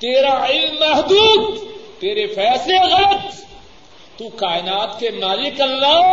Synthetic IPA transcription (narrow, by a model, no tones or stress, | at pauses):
t̪eːɾaɪlmːɐɦd̪uːd̪t̪eːɾefɛːsleɣɐlət̪ | t̪ːukaːɪnaːt̪kemaːlɪkɐlːaː